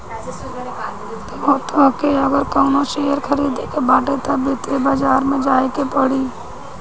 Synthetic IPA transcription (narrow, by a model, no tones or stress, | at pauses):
t̪oɦot̪oɦkeɐɡəɾkɔŋnoʃejəɾkʰəɾiːd̪ʱekebaːʈet̪ɐbɪt̪ebaːd͡ʒaːɾmẽd͡ʒaːekepəɽiː